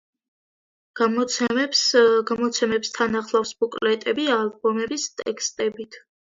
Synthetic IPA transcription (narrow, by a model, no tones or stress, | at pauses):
m | ɡamɔt̪sʰɛmɛbst̪ʰanaχlˠafsbukʼlɛt̪ʼɛbialbɔmɛbist̪ʼɛkʰst̪ʼɛbit̪ʰ